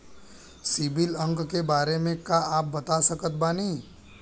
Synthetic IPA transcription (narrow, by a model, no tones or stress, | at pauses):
sɪbɪlə̃ŋkkebaːɾemẽkaaːp̚bɐt̪asɐkət̪̚banĩː